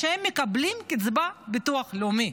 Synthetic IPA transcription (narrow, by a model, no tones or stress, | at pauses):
ʃehemːekablimkit͡sbabit̪uaχleumi